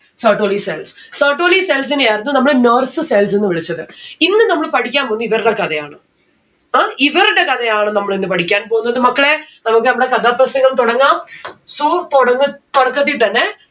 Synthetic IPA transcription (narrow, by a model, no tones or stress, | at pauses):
sɐːʈoːliseːls | sɐːʈoːlisels̬ɪnaːɾɐnd̪unɐmːɐɭnɐːɾsɨsels̬enːɯʋɪɭɐt͡ɕːɐðɨinːɨnɐmːɐɭpɐɽɪkʲːaːmpoɐnd̪ɨiʋɐɾɪɽɐkɐðɐjaːɳɨ | aːiʋɐɾɪɽɐkɐðɐjaːɳɨnɐmːɐɭenːɨp̬ɐɽikʲːaːnp̬oːɣunːɐðɯmɐkːɐɭenɐmɐkːɨnɐmːɐɽekɐðaːp̪ɾɐsɐŋɡɐmt̪ɔɽɐŋɡaːmsuːt̪ɔɽɐŋɡɨt̪ɔɽɐkːɐðit̪ɐnːe